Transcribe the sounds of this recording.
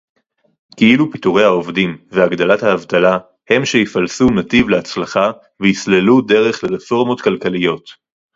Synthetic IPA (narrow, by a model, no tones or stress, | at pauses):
kiilupituʁe̞jhao̞vdimveaɡd̪alathaːvt̪ala | he̞mʃeifalsunat̪ivleat͡slaχa | veislelude̞ʁe̞χleʁefo̞ʁmo̞t̪kalkalijo̞t